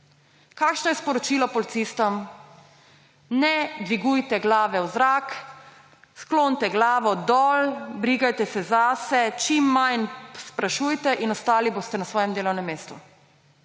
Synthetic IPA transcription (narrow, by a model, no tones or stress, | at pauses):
kaːkʃnɔjɛspɔɾɔt͡ʃiːlɔpɔlit̪siːst̪ɔm | nɛd̪ʋiɡujt̪ɛɡlaːʋɛwzɾak | skloːnt̪ɛɡlaːʋɔd̪ɔlbɾiːɡajt̪ɛsɛzasɛt͡ʃimːajnspɾaʃujt̪ɛʔinɔst̪aːliboːst̪ɛnasʋɔːjɛmd̪eːlɔwnɛmːeːst̪u